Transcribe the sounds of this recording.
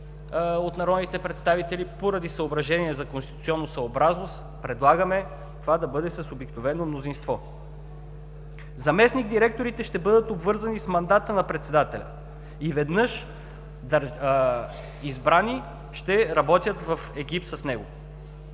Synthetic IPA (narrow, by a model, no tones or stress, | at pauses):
ot̪nɐɾɔd̪nit̪ɛpɾɛt̪st̪avit̪ɛlipoɾɐd̪isəobɾɐʒɛniɛzɐkõnst̪i̥t̪ut̪sʲiɔnːosɐobɾaznost̪ | pɾɛd̪lˠaɡəmɛ | t̪ovad̪ɐbɤd̪ɛsəsobiknovɛnomnozinst̪vɔ | zɐmɛsniɡ̚d̪iɾɛk̚t̪oɾit̪ɛʃt̪ɛbɤd̪ət̪obvɤɾzɐnismɐnd̪at̪ənɐpɾɛt̪sɛd̪at̪ɛlʲɐ̰ | ivɛd̪nɤʃ | d̪ | izbɾani | ʃt̪ɛɾɐbɔt̪ʲjət̪vɐfɛɡip̚t̪səsnɛɡo